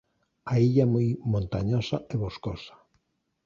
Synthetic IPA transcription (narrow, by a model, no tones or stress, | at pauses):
aiʎamojmõnt̪a̰ɲosaeβoskosḁ